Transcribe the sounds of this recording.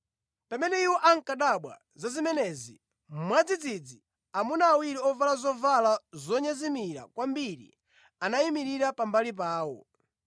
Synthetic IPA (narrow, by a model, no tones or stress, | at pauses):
pamɛnɛiwɔʔaŋ̩kaɗaɓwa̰ | zazimɛnɛzi | mwad͡zid͡zid͡zi | amunaːwiɾiɔvalazɔvalazɔɲazimiɾa̰kwambiɾḭ | anajimiɾiɾapambalip̬aːwɔ̰